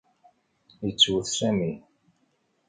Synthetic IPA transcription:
jət͡sːwəθsæmi

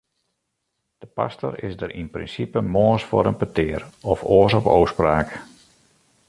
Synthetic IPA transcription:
d̥əpa̰stɔ̰ɾɪ̰sdəɾinprɪ̰nsipəmoəsfo̰ːɾənpətɪərɔfoːsɔpoːwspraːk

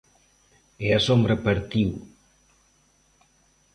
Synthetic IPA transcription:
easombɾəpəɾt̪iw

